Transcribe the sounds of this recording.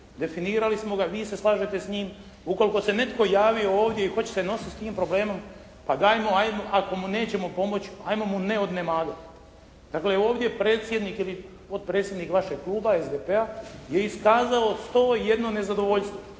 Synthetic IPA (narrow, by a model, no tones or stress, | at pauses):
d̪e̞finiːɾalismo̞ɡaʋiːse̞slˠaːʒet̪esɲiːm | uko̞liko̞se̞ne̞t̪ko̞jaːʋio̞oːʋd̪jeixot͡ɕe̥seno̞sist̪iːmpɾo̞ble̞ːmo̞m | pad̪ajmo̞ajmoʔako̞mune̞ːt͡ɕe̞mo̞po̞mo̞t͡ɕajmomune̞o̞d̪ne̞maːd̪at̪ | d̪̥akle̞o̞ːʋd̪je̞pɾe̞ːt̪sje̞d̪nikili | po̞t̪̚pɾet̪sjed̪nikʋaʃeɡ̚klˠuːbaezd̪epe̞aje̞iskaːzao̞st̪oːje̞d̪no̞ne̞zad̪o̞ʋo̞ʎst̪ʋo̞